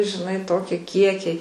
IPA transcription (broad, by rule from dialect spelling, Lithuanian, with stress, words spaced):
ʒʲɪˈnɐɪ ˈtoːkʲɪ ˈkʲiɛkʲɛɪ